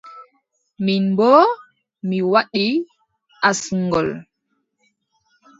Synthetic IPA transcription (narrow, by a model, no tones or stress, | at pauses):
minbɔ | miwaɗi | ʔasuŋɡɔl